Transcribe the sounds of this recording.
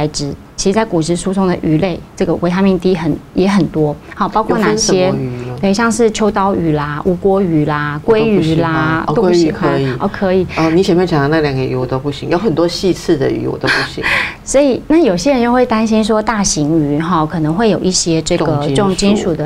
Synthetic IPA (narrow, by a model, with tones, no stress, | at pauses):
a˧ɪʈ͡ʂɻ̩˨˩˦t͡ɕʰi˧˥ʂ̩˧t͡sa˥˩ɪku˨˩ʂɻ̩˧˩ʂu˥sʊ˥ŋd̪ə̰˨ʔy˧˥le˥˩ɪʈ͡ʂɤ˥˩ɡə˩wʔe˧˥ɪt̪ʰa˥mjɛ˥˧nt̪i˥xə˨˩˦njɛ˧˥xə˨˩nt̪wɔ˥hɑ˥˩pɑ˥ʊkʰwɔ˥˩na˥˨˧ɕjɛ˦˧t̪we˥˩ɪɕjɑ˥˧ŋʂɻ̩˥˩t͡ɕʰjo˥ʊt̪ɑ˥ʊy˨˩lɐ˧ʔu˧˥kwɔ˥y˧˥la˧kwe˥ɪy˧˥la˧o˥kʰə˧˥˦i˨ɔ˧˩kʰɤ˧˦˥i˨˩ɔ˧˩ni˧˥ɕjɛ˨nmjɛ˥˩t͡ɕʰɑ˨ŋt̪a˧˦na˥˩ljɑ˨˩ŋɡə˧˨y̰˧˥˩wɔ˨˩t̪o˥ʊpu˥˩ɕḭ˧˦ŋjo˧˥ʊxə˨˩nt̪wɔ˥ɕi˥˧t͡s̩ʰ˥˩d̪ə̰˨y̰˧˥wɔ̰˨˩t̪o˥pu˥˩ɕḭ˧˦ŋswɔ˧˥i˨˩na˥˩jo˨˩ʊɕ̬jɛ˥ɻə˧˦nt͡ɕo˥˧we˥˩ɪt̪a˥nɕi˥nʂ̬wɔ˥t̪a˥˩ɕi˧˥ŋy˧˥xɑ˥˧kʰɤ˨˩nɤ˧˦ŋxwe˥˩ɪjo˨˩i˥˩ɕjɛ˥ʈ͡ʂɤ˥˩˧ɡə˩˥˨ŋt͡ɕi˥nʂu˨˩d̪ə˦